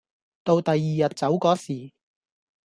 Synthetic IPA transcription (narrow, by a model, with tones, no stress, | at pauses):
t̪o˧wt̪ɐ˨jːiː˨jɐ˨t̚t͡sɐ˨˥wkɔː˨˥siː˨˩